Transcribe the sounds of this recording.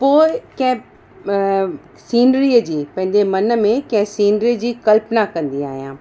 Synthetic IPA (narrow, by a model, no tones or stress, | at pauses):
poːɪkɐ̃ɦɪ̃ | siːnɾiːəd͡ʑiːpɐ̃ɦɪ̃ɲd͡ʑemɐnə̆mẽkɐ̃ɦɪ̃siːnɖɾiːəd͡ʑiːkɐlpnakɐ̃nd̪ia̰ːɦijãː